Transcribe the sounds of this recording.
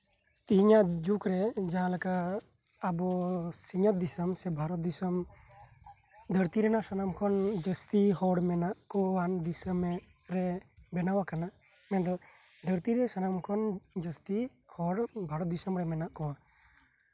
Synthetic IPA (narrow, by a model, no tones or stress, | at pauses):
t̪iɦiɲaʔd͡ʒukɾɛd͡ʒaɦãləkaː | bɔsiɲət̪̚d̪isəmsɛbʱaɾɔt̪̚d̪isɔm | d̪ʱəɾt̪iɾɛnaʔsɔnamkʰɔnd͡ʒəst̪iɦɔɽmɛnaʔkɔwand̪isəmɛ | ɾɛbɛnawakana | mɛ̃nd̪ɔ | d̪ʱəɾt̪iɾɛsanamkʰɔnd͡ʒəst̪i | hɔɽbʱaɾɔt̪̚d̪isɔmɾɛmɛnaʔkɔwa